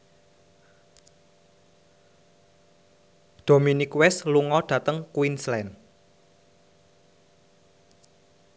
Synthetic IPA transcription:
ɖ̪̥o̤minikwɛsluŋɔɖ̥ä̤t̪əŋkwinslɛn

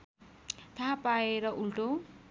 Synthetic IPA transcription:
t̪ʰapaeɾʌʔulʈo

